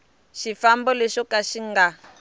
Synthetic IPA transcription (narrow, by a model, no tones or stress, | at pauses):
ʃifambɔlɛʃɔkaʃiŋɡa